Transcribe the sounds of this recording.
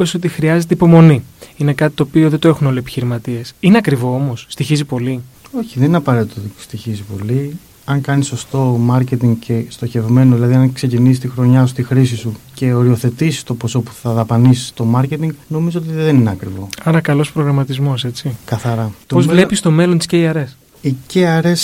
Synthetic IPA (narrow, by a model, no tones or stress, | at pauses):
eso̞t̪ixɾiɐze̞t̪eipo̞mo̞niine̞kɐt̪it̪oːpio̞ðed̪oe̞xuno̞lie̞pi̥çiɾimɐt̪iesineɐkɾivo̞omo̞sːt̪içizipo̞li | o̞çiðeninɐpɐɾet̪it̪oot̪i̥st̪içizipo̞li | ɐŋkɐniso̞st̪o̞mɐɾce̞t̪iŋɡce̞st̪o̞çe̞vme̞noðilɐðiɐŋkse̞cinisist̪ixɾo̞ɲɐsu̥st̪ixɾis̬isuce̞o̞ɾio̞θe̞t̪isi̥st̪o̞po̞so̞pu̥θɐðɐpɐnisi̥st̪o̞mɐɾce̞t̪iŋɡno̞mizoot̪iðe̞nineɐkɾivo̞ɐɾɐkɐlo̞spɾo̞ɣɾɐmɐt̪izmo̞se̞t͡sikɐθɐɾɐt̪pozvle̞pist̪o̞me̞lo̞nt̪isceiɐɾe̞s | iceɐɾes